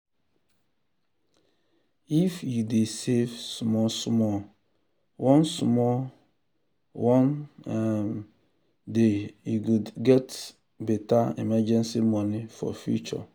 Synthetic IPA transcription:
ifjudesevsmɔsmɔ | wʔɔ̃nsmɔ | wɔ̃nɛm | dejukudɡɛt | bɛtaɛ̰mɛd͡ʒɛ̃nsimɔ̃nifɔ̰fjṵt͡ʃɔ̰

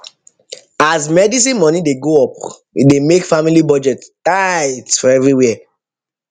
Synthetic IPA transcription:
azmɛdis̬ĩnmɔ̃nideɡoɔp̚ | idemekfamilibɔd͡ʒɛttajtfɔɛvɹiwɛa

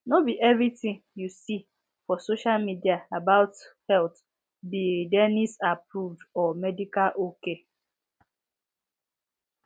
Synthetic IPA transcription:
nobiʔɛvɹitĩŋjusi | fɔsoʃalmidiaabaʊthɛlt | bidɛnisapɾuvdɔmɛdikalʔoke

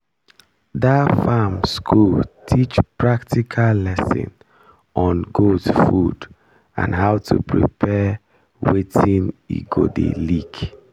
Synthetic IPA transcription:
dafamskʰultʰit͡ʃpʰɹaktʰikʰallɛsḭ̃n | ʔɔ̃nɡodsfud | ã̰nɦaʊwtʰupʰɹḭpʰɛ | wetʰĩnḭɡodḛlik

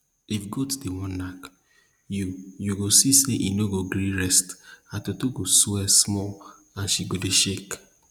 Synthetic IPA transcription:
ifɡɔtdewɔ̃nnak | jujuɡosiseʔinoɡoɡɾĩɾɛstatotoɡoswɛsmɔl | ãnʃiɡodeʃek

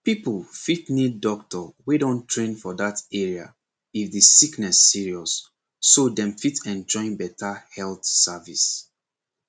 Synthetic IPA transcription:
piplfitniddɔk̚tɔwedõntʰɹẽnfɔdatɛɹia | ifðisiknɛsːiɹiɔsː | odɛ̃mfitɛ̃nd͡ʒɔ̃ɪ̃nbɛtʰahɛlˠθsavis

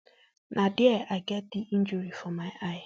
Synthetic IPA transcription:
nʔadɪɛaɡadɪʔind͡ʒuɾifɔmajaɪ

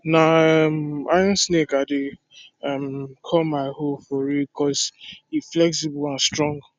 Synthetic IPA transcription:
naɛmaɪɔ̃nsnekade | amkʰɔmaɪhofɔɹikʰɔsiflɛksibuãnstɹɔ̃ŋɡ

